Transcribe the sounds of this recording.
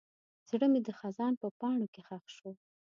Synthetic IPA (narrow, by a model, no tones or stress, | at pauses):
z̥ɽəmed̪əxazɑnpəpɑɳokexaxʃo